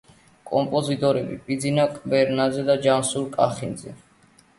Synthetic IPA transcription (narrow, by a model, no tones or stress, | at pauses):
kʼɔmpʼɔzit̪ʼɔɾɛbḭpʼid̪zinakʼbɛɾnazɛd̪ad͡ʒamsuɾkʼa̰χinzɛ̰